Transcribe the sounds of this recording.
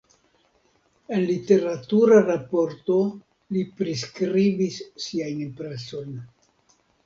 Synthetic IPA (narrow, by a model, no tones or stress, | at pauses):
e̞nlite̞ɾatuɾaɾapo̞ɾto̞ | lipɾiskɾibisːiajnpɾet͡so̞jn